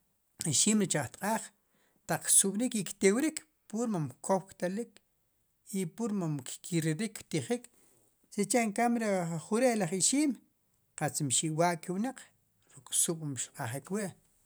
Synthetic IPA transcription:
iʃiːmɾit͡ʃaχt̪qʼaːχ | t̪aq͡χksuɓ̥ɾikikt̪ewɾikʰ | puɾmamkʰowkt̪alik | ipuɾmamkkʰiɾiɾikːt̪iχik | set͡ʃeʔŋkamɾeχuɾeʔlaχiʃiːm | qat͡smʃiʔwaʔkiwnaq͡χ | ɾukʼsuɓ̥mʃqʼaχikwiʔ

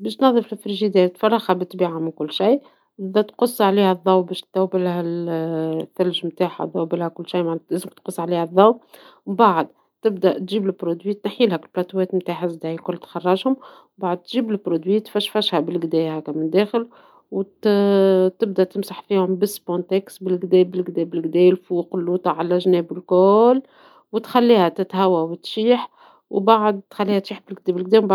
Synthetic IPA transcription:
bɛːʃt̪nɑðˤːəflɪfɪɾʒid̪ɛːt̪fɑrˤːɑxhæbɪt̪ˤːbiːʕamɪnkʊlːʃij | ʔɪðæt̪qʊsˤːʕliːhæðˤːɑwbɛʃt̪ːæwbɪlhæl | θːælʒmt̪aːħa̰ðˤɑwbɪlhækʊlːʃijmaʕnlæzɪmkt̪qʊsˤːʕliːhæðˤːɑw | baʕəd̪ | t̪ɪb̚d̪æʔt̪ʒiːblɪlbɾod̪wiːt̪nħiːlhækɪlblɑt̪wɛːt̪mt̪aːħazd̪æikʊlːt̪xɑrˤːɑʒhʊm | baʕəd̪̚t̪ʒiːblɪbɾod̪wiːt̪fæʃfæʃhæbɪlɡd̪ɛːhækːæmɪnd̪ɛːxɪl | w | t̪ɪbd̪æt̪ɪmsaħfiːhʊmbɪsbõnt̪ɛksbɪlɡd̪ɛːbɪlɡd̪ɛːbɪlɡd̪ɛːlfuːqlːuːt̪ɑʕalæʒnɛːbɪlkʊl | wɪt̪xælːiːhæt̪ɪt̪hæwæwɪt̪ʃiːħ | wbaʕd̪̚t̪xælːiːhæt̪ʃiːħbɪlɡ̚d̪ɛbɪlɡ̚d̪ɛːmba

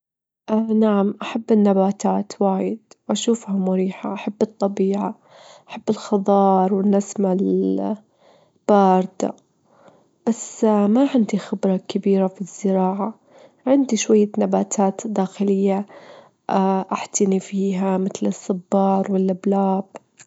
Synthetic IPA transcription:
ʔnaʕamʔaħabːɪnːabaːt̪aːt̪waːjɪd̪wʔaʃuːfhamʊɾiːħa̰ʔaħabːɨt̪ˤːɑbiːʕa | ʔaħabːɪlxɑðˤɑːɾˤwɪnasmal | b̥ɑːɾˤd̪a̰ | b̥asmaʕɪnd̪ixɪbɾˤɑkɪbiːɾafizːɪɾɑːʕa | ʕɪnd̪iʃwajːanabaːt̪ʰaːt̪d̪ːaːxɪlɪjːa | ʔaʔaħt̪ɪnifiːɦamɪt̪lɨsˤːɨbːɑːɾˤwɪlʔablaːb̥

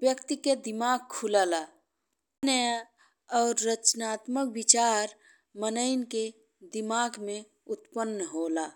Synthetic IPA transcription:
ʋjəkt̪iked̪ɪmaːɡ̚kʰulaːlaː | nəj | ɔːɾːət͡ʃnaːt̪məkwɪt͡ʃaːɾ | mənəɪnke | d̪ɪmaːɡmẽ | ʊt̪pənːəɦoːlaː

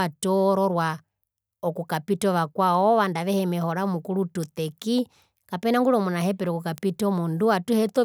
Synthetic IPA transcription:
atɔːɾɔɾwa | ɔkukapitɔʋakwaɔʋandaʋɛhɛmɛhɔɾamukulutut̪ɛki | kapɛnaŋɡuɾɔmunaɦɛpɛɾɔkukapitɔmunduatuhɛt̪ɔ

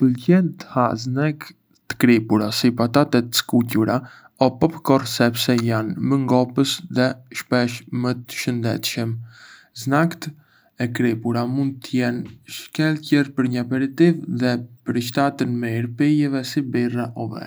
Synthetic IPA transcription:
pəlcɛnt̪əhaznɛk | t̪ə̥kɾipuɾasipat̪at̪ɛt̪ə̥skucuɾa | ɔpɔpkɔrsɛpsɛjanməŋɡɔpəsðɛʃpɛʃmət̪ə̥ʃənd̪ɛ̰t̪ʃəm | znakt̪ | ɛkɾipuɾamund̪̚t̪əjɛnʃkɛlcɛrpəɾɲəapɛɾit̪ivðɛpəɾəʃt̪at̪ənmɛiɾpijɛvɛsibiraʔɔvɛ̰

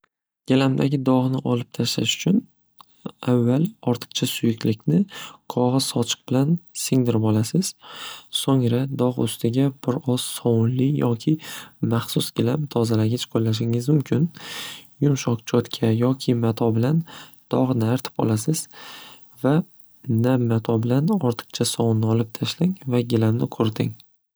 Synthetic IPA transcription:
ɡ̥ʲɪlamd̪aɡʲɪd̪ɒʁnɪʔɒlɪp̚t̪ʰaʃla̰ʃʊ̥t͡ʃʰʊn | avːalˠɒɾt̪ʰɨ̥qt͡ʃʰasʊjɪkʲlɪkʲnɪqʰɒʁɨz̥ɒt͡ʃʰɨ̥q̚b̥ɪlansɪŋd̪ɪɾɪbɒlasɪz̥soŋɾad̪ɒʁɵ̰st̪ʰɪɡʲab̥ɪɾɒssɒwʊnlɪjɒkʲʰɪmaχsʊsɡ̥ʲɪlamt̪ʰɒzalaɡʲat͡ʃqʰolːaʃ̬ɪŋɪzmʊmkʲʰɪnjʊmʃɒqt͡ʃʰɒt̪kʲʰajɒkʲʰɪmat̪ʰɒbɪlan | d̪̥ɒʁnɪaɾt̪ʰɪ̥pɒ̰lˠasɪz̥ | va | namːat̪ʰɒbɪlanɒɾt̪ʰɨ̥qt͡ʃʰasɒwʊnːɪɒlɪp̚t̪ʰaʃlaŋvaɡʲɪlamnɪqʰɵɾd̪ɪ̰ŋ

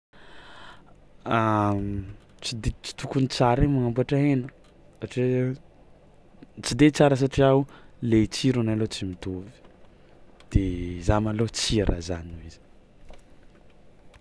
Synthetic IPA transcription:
a | t͡sid̪et͡si̥t̪ukunit͡saɾemaŋambaʈ͡ʂaenə | aʈ͡ʂi | t͡sid̪et͡saɾəs̬aʈ͡ʂiawulet͡siɾunalot͡simit̪ovi̥ | d̪̥ezamalot͡siɾʔə̰zaniiz̥i̥

